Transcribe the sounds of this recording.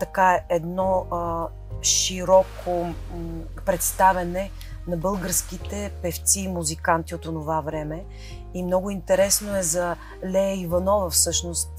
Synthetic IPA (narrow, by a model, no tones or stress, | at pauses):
t̪ɐkaɛɛd̪nɔ | ʃiɾɔkʰo | pɾɛt̪st̪avɛnɛ | nɐbɤlˠɡəɾsk̟it̪ɛpɛft̪siːmuzikant̪iot̪onovavɾɛmɛ | imnɔɡʊint̪ɛɾɛsnoɛzɐ | lɛivɐnɔvɐfsɤʃnost̪